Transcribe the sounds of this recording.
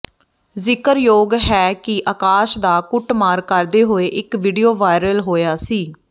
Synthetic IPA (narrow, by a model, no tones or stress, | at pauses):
zɪkəɾjoːɡɦɛːkɪʔəːkaːʃd̪aːkʊʈmaːɾkəɾd̪eːɦoːeːʔɪkʋiːɖijoːʋaːjɪɾəlɦoːjaːsiː